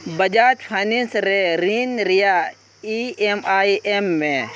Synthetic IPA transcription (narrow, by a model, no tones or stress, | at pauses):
bɐd͡ʒaːt͡ʃpʰaninsɾeɾiːnɾijaː | iemaːiʔemːẽ